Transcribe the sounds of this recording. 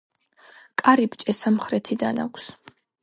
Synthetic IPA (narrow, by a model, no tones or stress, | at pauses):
kʼaɾipʼt͡ʃʼɛsamχɾɛt̪ʰid̪a̰na̰kʷʰs